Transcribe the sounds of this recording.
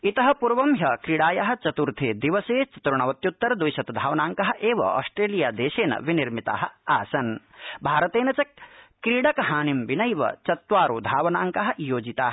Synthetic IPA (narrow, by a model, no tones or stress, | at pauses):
it̪ɐɦɐ̆puɾʋɐmjɐkɾiɽaːjaɦɐ̆t͡ʃɐt̪uɾt̪ʰeːd̪iʋɐseːt͡ʃɐ̥t̪ɾuɳ̃ɐʋɐt̪jut̪ːɐɾd̪ʋujʃɐt̪d̪ʱaːʋɐnaːŋkɐɦɐ̆ʔeːʋɐ̰ɔ̰ːsʈɾeːlijaːd̪eːʃeːnɐ̰ʋiniɾmit̪a̰ːɦɐ̆aːsɐnbʱaːɾɐt̪eːnɐt͡ʃɐkɾiɽɐkɦaːnimʋinɐjʋɐ̰t͡ʃɐt̪ʋaːɾuːd̪ʱaːʋɐnaːŋkɐɦɐ̆joːd͡ʒit̪aːɦɐ